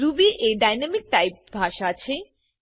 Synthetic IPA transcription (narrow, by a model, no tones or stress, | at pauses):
ɾubiʔeɖajnamik̚ʈajp̚bʱaʃaat͡ɕʰe